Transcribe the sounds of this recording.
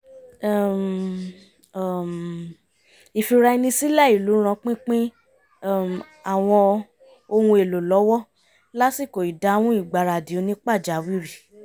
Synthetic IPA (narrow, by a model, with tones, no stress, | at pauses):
a˦˨m˨ | m | i˨fi˧ɾa˧i˧nĩ˧si˦la˦˨i˨lu˨˦ɾ̃ã˧k͡pĩ˦k͡pĩ˦˨ | a˨w̃ɔ̃˧ | o˧wũ˧e˨lo˨lɔ˨˦wɔ˦ | la˦si˦˨ko˨i˨da˨˦w̃ũ˦i˦˨ɡ͡ba˨ɾa˨di˨o˧nĩ˦k͡pa˦˨d͡ʒa˨˦wi˦ɾi˦˨